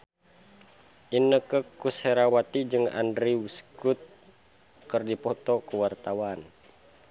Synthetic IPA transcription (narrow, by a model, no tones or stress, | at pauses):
ʔinəkəkushɛɾawat̪id͡ʒɨŋa̰ndɾiuskut̪̚ | kɨrdipɔt̪ɔkuwart̪awan